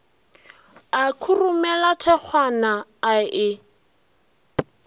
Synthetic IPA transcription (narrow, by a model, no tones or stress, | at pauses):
akʰurumɛlatʰɛk͡xʰwanaːɪ